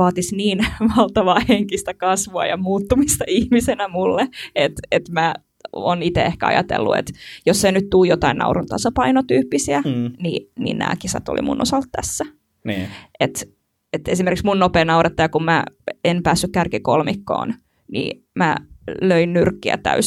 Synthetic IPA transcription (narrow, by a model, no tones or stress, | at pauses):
ɑːt̪isniːnʋɑlt̪ɑʋɑːheŋkist̪ækɑsʋoɑ̰jɑ̰muːt̪ːumist̪ɑihmisenæmulːeet̪et̪mæ | oːnit̪eehkæɑ̰jɑ̰t̪ḛlːṵḛt̪josːenyt̪t̪uːjot̪ɑinnɑ̰uɾunt̪ɑsɑpɑinot̪yːpːisiænḭnḭnæ̰ːkisɑ̰t̪o̰lḭmṵnʔosɑlt̪t̪æsːæ | nːet̪ | et̪esimerkiksmunnopeːnɑurɑt̪ːɑjɑkummæenpæːsːykkærkikolmikːo̰ːn | nḭ | mæløinnyrkːiæ̰t̪æ̰ys